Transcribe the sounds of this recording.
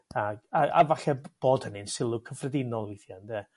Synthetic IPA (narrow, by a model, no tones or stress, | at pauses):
aɡaa̰vaɬɛb̥oːd̥hənɨnsɪlˠʊkʰəfrədɪnɔlˠiθjandɛː